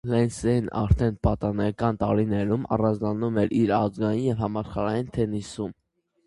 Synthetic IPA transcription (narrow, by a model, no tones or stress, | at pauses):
lɛnsɛinɑ̰ɾt̪ʰɛnpɑt̪ɑnɛkɑnt̪ɑɾinɛɾumɑ̰rɑnd͡znɑnumɛɾiɾɑzɡɑjinjɛvhɑmɑʃχɑɾɑjint̪ʰɛnisum